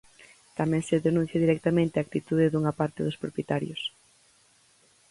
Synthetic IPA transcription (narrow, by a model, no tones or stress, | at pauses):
t̪amɛ̃ŋseðenũn̟θjɐðiɾɛk̚t̪amẽnt̪eak̚t̪it̪uðɪðuŋɐpaɾt̪ɪðʊspɾopjet̪aɾjo̰s